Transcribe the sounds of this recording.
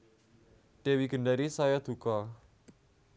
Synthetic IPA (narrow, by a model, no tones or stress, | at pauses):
ɖ̥ewiɡ̥ə̤ɳɖaɾisajɔd̪̥ṳkɔ